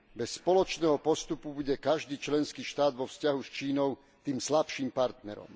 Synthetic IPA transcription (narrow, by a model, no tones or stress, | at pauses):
bɛsːpɔlɔt͡ʃnɛːɦɔpɔst̪upubuɟɛkaʒd̪iːt͡ʃlɛnskiːʃt̪aːd̪ʋɔfscaɦust͡ʃiːnɔʊ | t̪iːmslapʃiːmpaɾt̪nɛ̰ɾɔ̰m